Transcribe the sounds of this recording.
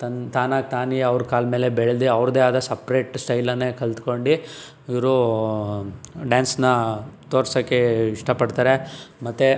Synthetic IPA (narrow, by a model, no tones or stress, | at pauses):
t̪ɐnt̪aːnaːk̚t̪aːniɐʋɾkaːlme̞ːlebeɭd̪eɐʋɾd̪eaːd̪ɐsɐpɾe̞ːʈsʈɐjlɐnːekɐlt̪ko̞ɳɖi | iʋɾu | ɖaːnsnɐt̪oːɾsɐkːeiʂʈɐpɐɖt̪aːɾemɐt̪ːe